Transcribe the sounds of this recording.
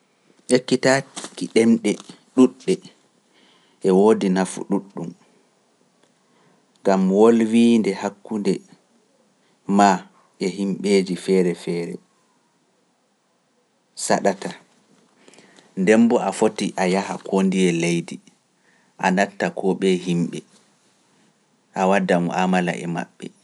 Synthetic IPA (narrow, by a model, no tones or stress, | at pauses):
t͡ʃekːitakiɗɛmɗɛ | ɗuɗːɛ | ʔɛwoːdinafṵɗuɗːum | ŋɡamwolwiːndɛhakːundɛ | ma | ʔɛhimɓeːd͡ʒifɛːɾɛfɛːɾɛ̰ | saɗata | ndɛmbɔafotiʔajahakʰondiɛlejdi | ʔanatːakʰɔɓɛɦimɓɛ | ʔawadamuamala̰ʔɛ̰ma̰ɓːɛ̰